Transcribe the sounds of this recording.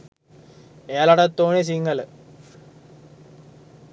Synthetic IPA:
ejɐlɐɽɐt̪ːoːnes̬iŋɡɐl

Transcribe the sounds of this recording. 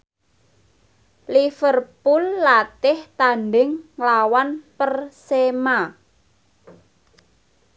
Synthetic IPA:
lifərpulːat̪ɪht̪anɖɪŋːlawanpərsema

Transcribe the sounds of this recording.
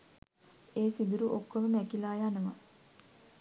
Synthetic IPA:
eːsid̪uɾuʔokːoməmækilaːjanəʋa

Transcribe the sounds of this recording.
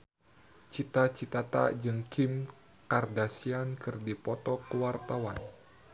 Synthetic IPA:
t͡ʃit̪at͡ʃit̪at̪a̰d͡ʒɨŋkim | kardasiankɨrdipɔt̪ɔkəwart̪awan

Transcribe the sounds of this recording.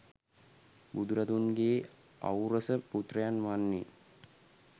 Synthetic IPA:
bud̪uɾad̪unɡeː | a̰wɾəsəput̪rəjanʋanːe

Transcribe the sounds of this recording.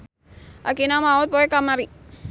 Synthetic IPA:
akinamaot̪̚boekamaɾi

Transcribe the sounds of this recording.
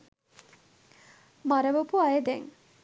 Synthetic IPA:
maɾəʋopuajed̪ɛŋ

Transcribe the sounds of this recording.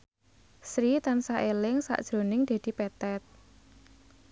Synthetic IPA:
sɾit̪ansaʔelɪŋsa̰ʔd̥ʒ̥ɾo̤nɪŋd̪̥e̤d̪̥i̤pɛt̪ɛt̪̚

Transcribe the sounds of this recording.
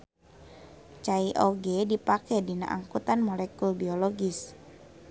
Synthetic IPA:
t͡ʃaiʔoɡɛdipakɛdina̰ʔa̰ŋkut̪anmolɛkulbioloɡis

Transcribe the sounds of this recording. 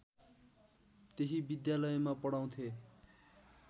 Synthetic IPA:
t̪eɦibid̪jalʌjmapʌɽaw̃t̪ʰe

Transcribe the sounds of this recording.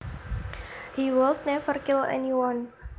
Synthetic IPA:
hiwɪlt̪̚nɛfərkɪlɛ̰niwan

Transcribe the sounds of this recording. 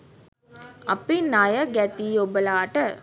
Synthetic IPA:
ɐ̰pinajəɡæt̪iːobəlaːʈə

